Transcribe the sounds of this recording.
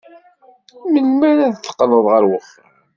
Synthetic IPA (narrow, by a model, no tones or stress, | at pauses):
məlmæɾæðθːə̥qːləðˤʁəɾwəfːə